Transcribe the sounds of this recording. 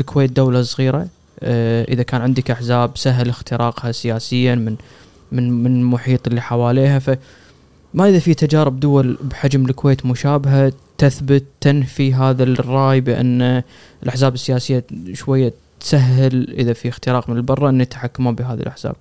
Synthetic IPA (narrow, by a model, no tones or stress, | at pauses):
lkweːt̪̚d̪awlasˤɣiːɾa | ʔɪðakaːnʕɪnd̪əkʔaħzaːbsaɦːɪlɪxt̪ɪɾɑːqhasɪjaːsɪjːamɪn | mnmɪnmʊħiːt̪ˤʔɪlːiħawaːleːɦafa | maʔəðafit̪ad͡ʒaːɾɪb̚d̪ʊwalbħad͡ʒmlkweːt̪mʊʃaːbɪɦat̪aθbʊt̪ːanfiɦaːðarˤːɑːjbɪʔa̰nːa | əlʔaħzaːbɪsːɪjaːsɪjːaʃwajːat̪saɦːɪlʔɪðafixt̪ɪɾɑːqmɪnəlbɑrˤːɑʔɪnːit̪ħakːamabɪɦaːðḭlʔaħz̥a̰ːb̚